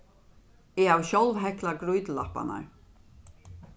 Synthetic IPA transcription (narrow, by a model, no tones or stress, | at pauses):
ɛawɕɔlvɦɛklaɡɾujt̪la̰hpːa̰na̰ɹ